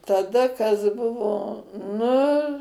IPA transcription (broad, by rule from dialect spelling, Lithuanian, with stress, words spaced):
tɐˈdɐ kɐs ˈbʊʋoː ˈnʊ